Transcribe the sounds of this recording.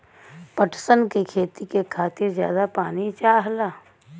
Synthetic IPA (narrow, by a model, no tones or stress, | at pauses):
pəʈsənkikʰeːt̪ikekʰaːt̪ɪɾzja̰ːd̪apaːnit͡ʃaːɦlaː